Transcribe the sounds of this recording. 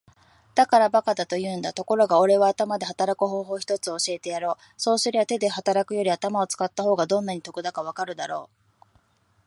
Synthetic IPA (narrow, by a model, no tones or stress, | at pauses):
d̪̥akaɾabakad̪at̪o̞jɯ̟ːnd̪at̪o̞ko̞ɾo̞ɡao̞ɾe̞βaːt̪amad̪e̞hat̪aɾakɯ̟ɦo̞ːɦo̞ːçi̥t̪o̞t͡sɨo̞ɕie̞t̪e̞jaɾo̞ː | so̞ːsɨɾʲeβat̪e̞d̪e̞hat̪aɾakɯ̟jo̞ɾʲiat̪amao̞t͡sɨ̥kat̪ːaɦo̞ːɡad̪õ̞nːaɲ̟it̪o̞kɯ̟d̪akaβ̞akaɾɯ̟d̪aɾo̞ː